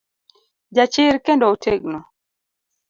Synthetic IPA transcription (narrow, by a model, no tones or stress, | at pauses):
d͡ʒat͡ʃɪɾkendɔoteɡ̚nɔ